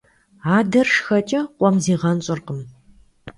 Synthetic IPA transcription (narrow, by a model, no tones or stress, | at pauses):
aːdɐrʂxɐt͡ʃʼɐqʷɔmziːʁɐnɕʼɨrqəm